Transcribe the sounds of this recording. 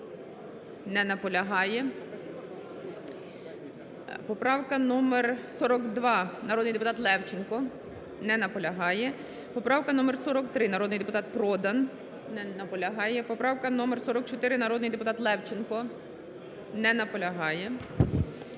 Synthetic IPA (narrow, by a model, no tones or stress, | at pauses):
nɛnɐpɔlʲɐɦɑjɛ | pɔpɾɑwkɐnumersɔɾɔkd̪ʋɑnɐɾɔd̪nɪjd̪epʊt̪ɑt̪lˠɛwt͡ʃɪnkɔ | nɛnɐpɔlʲɐɦɑjɛ | pɔpɾɑwkɐnɔmersɔɾɔkt̪ɾɪnɐɾɔd̪nɪjd̪epʊt̪ɑt̪̚pɾɔd̪ɐn | nɐpɔlʲɐɦɑjɛpɔpɾɑwkɐnɔmersɔɾɔkt͡ʃɔt̪ɪɾɪnɐɾɔd̪nɪjd̪epʊt̪ɑt̪lˠɛwt͡ʃɪnkɔ | nɛnɐpɔlʲɐɦɑjɛ